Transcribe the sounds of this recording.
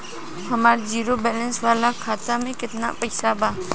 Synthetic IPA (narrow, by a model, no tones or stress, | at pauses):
ɦəmaːɾd͡ʒiːɾoːbɛːlənsʋaːlakʰaːt̪amẽkɪt̪na̰ʔpəɪsabaː